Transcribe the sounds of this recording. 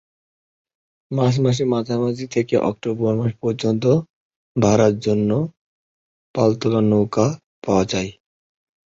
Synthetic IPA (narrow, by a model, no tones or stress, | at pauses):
mas̬maʃ̬imad͡ʑʱamad͡ʑʱit̪ʰekeʔɔ̰k̚ʈobɔɾmaʃpɔɾd͡ʑont̪̬o | bʱaɾat̪d͡ʑonːo | palt̪olanoka | paad͡ʑaj